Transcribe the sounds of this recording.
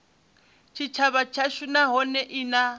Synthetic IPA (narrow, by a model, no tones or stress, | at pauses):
t͡ʃʰit͡ʃʰaβat͡ʃʰaʃunaɦɔnɛʔina